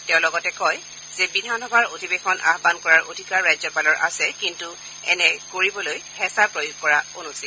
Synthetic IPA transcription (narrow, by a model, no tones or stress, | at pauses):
tɛʊ̃lɔɡɔtɛkɔj | z̥ɛbidʱanɔbʱaɹodʱibexɔnʔa̰xbankɔɹaɹʔodʱikaɹːajzɔpalɔɹʔa̰sɛkintu | ɛ̰nɛkoɹibɔlojhɛsapɹojuɡ̚kɔɹaonusi